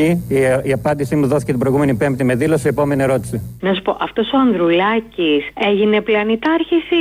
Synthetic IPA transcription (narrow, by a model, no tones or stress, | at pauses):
iiɐpɐnd̪isimuðoθi̥cet̪ibɾojɣume̞nipe̞mpt̪ime̞ðilo̞siepo̞me̞nieɾo̞t̪i̥sinɐssu̥po̞ʔɐft̪o̞so̞ɐnðɾulɐcise̞ʝine̞plɐnit̪ɐɾçisi